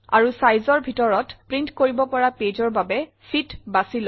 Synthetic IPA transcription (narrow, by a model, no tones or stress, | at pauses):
a̰ɹusajzɔɹbʱitɔɹɔtpɹintkoɹibɔpɔɹaped͡ʒɔɹbabɛsitbasil